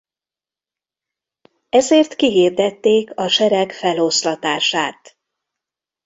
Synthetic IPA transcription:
ɛzeːrt̪kiɦiːrd̪ɛt̪ːeːkɒʃɛɾɛkfɛloslɒt̪aːʃaːt̪

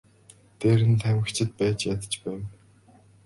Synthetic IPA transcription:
t̪eːɾɘ̆nt̪ʰæmə̆kt͡ɕʰɪ̆t̪̚pæːt͡ɕjat̪ə̥̆t͡ɕpæːw

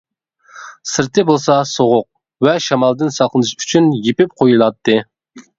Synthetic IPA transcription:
sɨɾt̪ʰɨɪbolˠsɑsoʁʊq̚ | vɛʃɑmɑlˠd̪ɨnsɑqlˠɨnɨʃy̥t͡ʃʰynjepɪp̚qʰojulˠɑt̪ʰːɨ

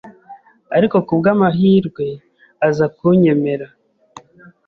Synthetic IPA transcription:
aɾiko̞kubɡaːmaɦiːɾɡwe̞ | azakuɲe̞me̞ɾa

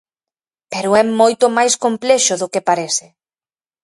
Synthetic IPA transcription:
peɾʊɛmojt̪ʊmajskomplɛʃʊðʊkepaɾesɪ

